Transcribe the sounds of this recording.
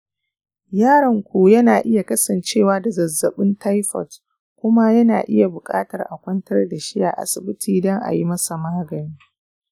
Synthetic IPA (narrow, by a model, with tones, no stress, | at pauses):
jaː˦ɽɐ˨ŋkʷu˨jɐ˦naː˨ʔɪ˦ja˨kɐ˦sɐ˨nt͡ʃeː˦˨waː˦da˨zɐ˨zːɐ˨ɓɪ˦nta˦jɸɔ̰˨t | kʷʊ˦ma˦jɐ˦na̰ː˨ʔɪ˦ja˨bʊ˨kʼa̰ː˦tɐ˨rʔa̰˨kʷɐ˦ntɐ˦rda˨ʃi˦ja̰˨ʔa̰˨sɪ˨bɪ˦tʰiː˨dɔ˦ŋʔa̰˨ji˦mɐ˦sa˨maː˦ɡɐ˨niː˦